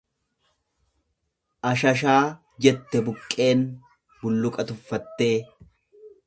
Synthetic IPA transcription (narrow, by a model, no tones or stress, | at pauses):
ʔɐʃɐʃaː | d͡ʒɛt̪ːɛbʊkʼːe̞ːn | bʊlːʊkʼɐt̪ʊfːɐt̪ːe̞ː